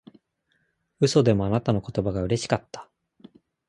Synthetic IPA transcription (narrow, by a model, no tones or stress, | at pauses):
ɯ̟so̞d̪e̞mo̞anat̪ano̞ko̞̥t̪o̞baɡaɯ̟ɾe̞ɕi̥kat̪ːḁ